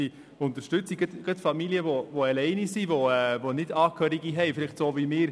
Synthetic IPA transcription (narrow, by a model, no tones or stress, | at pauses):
i | ʊnt̪əɾʃtʉt͡siɡət̪ɡ̥ət̪fɑmiliəʋoʋoɛlɛɪnisiʋoɛvonɪdɑːkʰhœɾiɡiɦɛɪfɪlɪχtsoːvimɪːɾ